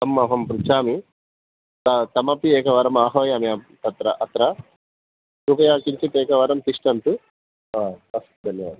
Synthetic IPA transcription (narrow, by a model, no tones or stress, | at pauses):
t̪ɐmːɐɦɐmpɾut͡ʃaːmi | t̪ɐt̪ɐmɐpieːkɐʋɐɾɐmaːɦoːjɐmiɐt̪ɐt̪ɾɐʔɐt̪ɾɐ | kupɐjaːkint͡ʃɐt̪eːkɐʋɐɾɐmt̪iʂʈɐnt̪u | aːɐst̪d̪ɐnjɐʋa̰ːd̪